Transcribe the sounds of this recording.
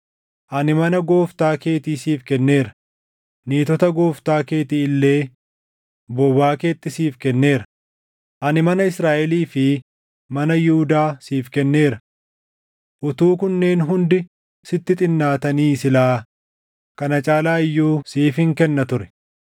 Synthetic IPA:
ʔɐnɪmɐnɐɡo̞ːft̪aːke̞ːt̪iːsiːfkɛnːe̞ːɾɐ̥ | niːt̪ɔt̪ɐɡo̞ːft̪aːke̞ːt̪iːɪlːe̞ː | bɔbaːke̞ːt̪ːɪsiːfkɛnːe̞ːɾɐ̥ | ʔɐnɪmɐnɐɪsɾaːʔɛliːfɪ | mɐnɐjʊhʊd̪aːsiːfkɛnːe̞ːɾɐ | ʔʊt̪uːkʊnːe̞ːnɦʊnd̪ɪ | sɪt̪ːɪt̪ʼɪnːaːt̪ɐniːsɪlaː | kɐnɐt͡ʃʼaːlaːɪjːuːsiːfɪŋkɛnːɐt̪ʊɾɛ̥

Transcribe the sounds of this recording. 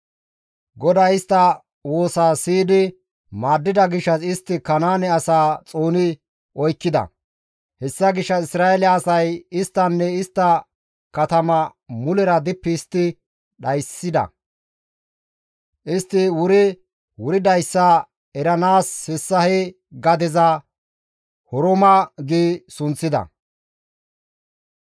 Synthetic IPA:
ɡɔd̪ɐjɪst̪ːɐ | woːsaːsiːd̪ɪ | maːd̪ːɪd̪ɐɡɪʃːɐsɪst̪ːɪkɐnaːnɛɐsaːt͡sʼoːnɪ | ʔɔjkːɪd̪ɐ̰ | hɛsːɐɡɪʃːɐɪsɾaːɛlɛːsɐjɪst̪ːɐnːɛɪst̪ːɐ | kɐt̪ɐmɐmʊlɛɾɐd̪ɪpːɪːst̪ːɪ | ɗɐjsːɪd̪ɐ̰ | ʔɪst̪ːɪwʊɾɪ | wʊɾɪd̪ɐjsːaː | ɛɾɐnaːshɪsːɐhɛ | ɡɐd̪ɛzɐ | hɔɾɔmɐɡiːsʊnt͡sːɪd̪ɐ̰

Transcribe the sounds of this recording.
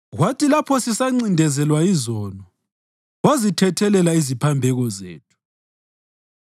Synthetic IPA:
ɣwatʰʼilapʰɔsisaŋ͡ǀindʱɛzɛlwaizɔnɔ | wazitʰɛtʰɛlɛlaizipʰambʱɛɣɔzḛːtʰu̥

